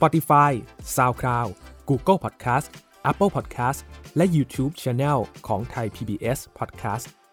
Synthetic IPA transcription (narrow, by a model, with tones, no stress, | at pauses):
spɔ˨˧t̪i˧faː˧˥jsaː˧wkʰɾaː˧wkuː˧kə˥˩lpʰɔ˨˩t̪̚kʰaː˦˥st | ʔɛ˦˥pːə˥˩pʰɔː˨˩t̪̚kʰaː˦˥stlɛ˦˥ʔjuː˧t̪ʰuː˦˥p̚t͡ɕʰɛː˧nɛː˥˩lkʰɔː˩˦ŋt̪ʰa˧jpʰiː˧biː˧ʔe˦˥spʰɔː˨˩t̪̚kʰaː˦˥st̪̚